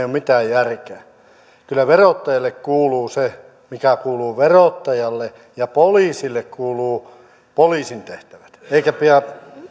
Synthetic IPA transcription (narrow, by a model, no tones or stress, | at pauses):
omit̪æːjjærkeæ | kylːˑæʋerot̪ːɑjɑlːekkuːluːse | mikækuːluːʋerot̪ːɑjɑlːe | jɑpoliːsilːekkuːluː | poliːsint̪eht̪æʋæ̥t̪eikæpiæ